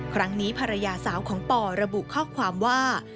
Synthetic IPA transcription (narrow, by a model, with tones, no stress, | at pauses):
kʰɾa˦˥ŋniː˦˥pʰa˧ɾa˧jaː˧saː˩˦wkʰɔː˩˦ŋpɔː˨˧˩ɾa˧bu˨˩ʔkʰɔː˥˩kʰwaː˧mwaː˥˩